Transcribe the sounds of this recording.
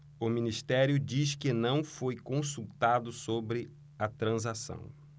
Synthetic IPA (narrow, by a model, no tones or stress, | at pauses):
ʊminist̪ɛɾjʊd͡ʒiskɪnɐ̃w̃fojkõsut̪ad̪ʊsobɾɪ | ɐt̪ɾɐ̃zasɐ̰̃w̃